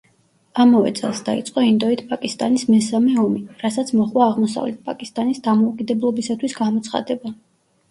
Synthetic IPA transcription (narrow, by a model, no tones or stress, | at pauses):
amavɛ̰t̪sʼɛ̰lˠsd̪aḭt̪sʼqʼɔind̪ɔit̪ʰpʼakʼist̪ʼanismɛsamɛɔmiɾasat̪sʰmɔχwaːʁmɔsa̰vlɛt̪̚ʰpʼakʼist̪ʼanisd̪amɔukʼid̪ɛblˠɔbisat̪ʰwisɡamɔt̪sʰχa̰d̪ɛba